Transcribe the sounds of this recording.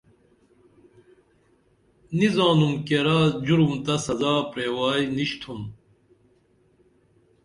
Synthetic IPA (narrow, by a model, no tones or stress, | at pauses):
nizɑ̃ːnumkeɾaːd͡ʑuɾumt̪ɐsɐzaːpɾeːwaːjniɕt̪ʰum